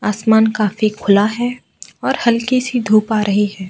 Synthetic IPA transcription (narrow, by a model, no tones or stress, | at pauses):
aːsmaːnkaːfikʰʊlaɦɛ | ɔːɾhɐlkisid̪ʱuːpaːɾʔɐɦiɦɛː